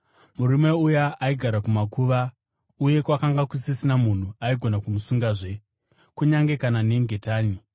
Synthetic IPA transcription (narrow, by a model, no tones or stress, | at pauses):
muɾime̞ujaːiɡʱaɾakumakuʋa | uje̞kwakaŋɡakusisinamun̤uaiɡʱo̞nakumusuŋɡaːʐe̞ | kuɲaŋɡe̞kanane̞ŋɡe̞taːni